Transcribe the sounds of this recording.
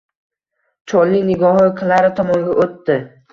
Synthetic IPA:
t͡ʃʰɒlːɪnɪɡɒhɒqʰɨlaɾɪt̪ʰɒmɒŋɡʲaʔot̪ːɪ

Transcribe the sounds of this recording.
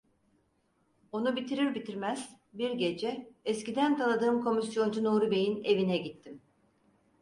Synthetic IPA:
o̞nubit̪ʰiɾiɾbit̪ʰiɾmæz̥ | biɾɟe̞d͡ʒɛɛscid̪ænt̪ʰalˠad̪ɯːmkʰo̞misjo̞nd͡ʒunoːɾube̞jine̞vinɛɟit̪ʰːim

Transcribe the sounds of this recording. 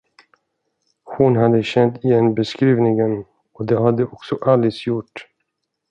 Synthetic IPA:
hʊnɦad̪ːəɕɛnt̪ʰɪjɛnːbɛskɾiːvnɪŋən | ɔd̪ɛhad̪ːəʔɔksɔʔalɪsjʊʈː

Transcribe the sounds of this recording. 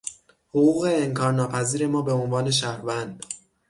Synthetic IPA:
hoɣuːɣe̞ːmkʰɒːɾnːɒːpʰæziːɾe̞mɒːbe̞onvɒːne̞ʃ̬æhɾvænd̪̥

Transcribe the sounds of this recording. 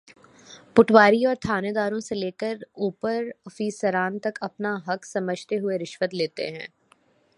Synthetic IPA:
pʊʈʰwaːɾiɔːɾt̪ʰaːned̪aːɾõseleːkəɾuːpəɾfiːsəɾaːnt̪ɐkɐpnaɦɐksɐməd͡ʒʱt̪eɦʊeɾɪʃwət̪leːt̪ḛɦɛ̃ː

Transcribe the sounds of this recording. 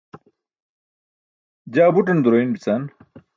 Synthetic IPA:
d͡ʑaːbuʈ̬ɐnd̪uɾoinbit͡san

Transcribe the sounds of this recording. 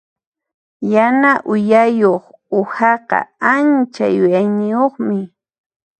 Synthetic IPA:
janaʔʊjajoχ | ʊhɑqɑ̰ant͡ʃa̰jʊjajnɪjoχmɪ

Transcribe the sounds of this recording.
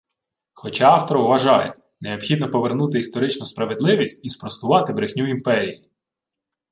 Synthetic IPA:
xɔt͡ʃɑɑwt̪ɔɾɔwʋɐʒɑjḛ | neɔbxʲid̪nɔpɔʋernut̪ɪist̪ɔɾɪt͡ʃnʊspɾɐʋed̪lˠɪʋʲisʲtʲispɾɔst̪ʊʋɑt̪ɪbɾɪxnʲuimpɛɾʲiji

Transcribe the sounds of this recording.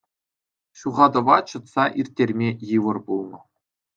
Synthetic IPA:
ɕuʁɑd̪ɤ̆ʋɑt͡ɕɤ̆t̪sɑʔirʲtʲːerʲmʲejɯʋɤ̆rbulˠnɤ̆

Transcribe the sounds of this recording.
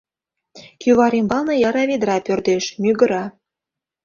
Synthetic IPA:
kyβɑɾimbɑlˠnɤ̆jɑɾɑβed̪ɾɑpørd̪eʃmyɣə̆ɾɑ

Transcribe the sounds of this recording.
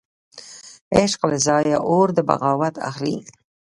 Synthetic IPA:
ɪʃqlɪzɑːjaʔoɾd̪əba̰ɣɑːwat̪a̰xlḭ

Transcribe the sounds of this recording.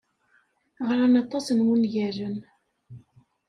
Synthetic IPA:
ʁɾænɑt̪ˤːɑsənwənʝæʒən

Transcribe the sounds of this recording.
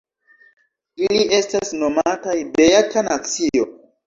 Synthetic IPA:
ilie̞stasno̞matajbejakʰanat͡sio

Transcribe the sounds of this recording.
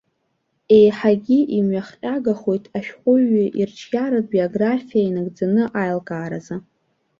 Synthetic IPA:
e̞jħaɡʲiʔimɥaχqʲʼaɡaχo̞jtʰʼaʃᶣqʷʼʊɥiʔirt͡ʃʰɡʲaɾɨbio̞ɡrafijainɨɡd͡zanɨʔajlkʼaːɾaza

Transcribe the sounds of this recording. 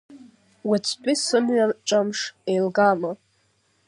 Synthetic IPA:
wat͡sʰpʰʼisɨmɥaʈ͡ʂʷʼamʂejlɡama

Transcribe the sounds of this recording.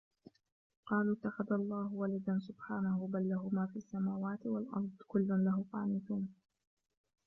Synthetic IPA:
qɑːluːt̪ːaxaðalˤːɑːhwalad̪ansʊbħaːnahʊbalːaɦʊmaːfiːasːamaːwaːt̪ɪwalʔɑ̰ɾˤd̪ˤkʊlːʊnlaɦʊfa̰ːnɪθuːn

